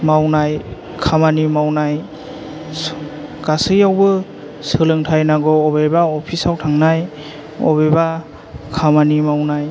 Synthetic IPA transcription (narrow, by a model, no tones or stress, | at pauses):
mawnaj | kʰamanimawnaj | ɡasɯjawbɯ | sɯlɯŋtʰajnaɡɔɔbejbaɔpʰisawtʰaŋnaj | ɔ̰beba | kʰamanimawnaj